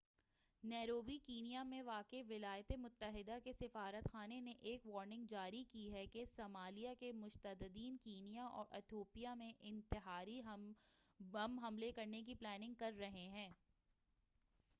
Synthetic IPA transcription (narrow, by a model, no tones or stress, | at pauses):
nɛːɾoːbikiːnijamẽʋaːkeʋɪlaːjt̪emʊt̪ːəɦɪd̪akesɪfaːɾət̪xaːneneʔeːkʋɔːɾnɪ̃ŋɡd͡ʒaːɾikiɦɛkesɐmaːlijakemʊʃt̪əd̪əd̪iːnkiːnijaʔɔ̰ːɾʔɐ̰t̪ʰoːpijamẽʔɪ̃nt̪ɪɦaːɾi | ɐmɦɐmlekɐɾnek̬iplɛːnɪ̃ŋɡ̚kɐɾːɐɦeɦɛ̃ː